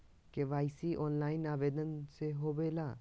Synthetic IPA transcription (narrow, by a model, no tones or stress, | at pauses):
keʋaːɪsiʔɔːnlaːɪnaːʋeːd̪ənseɦobeːlaː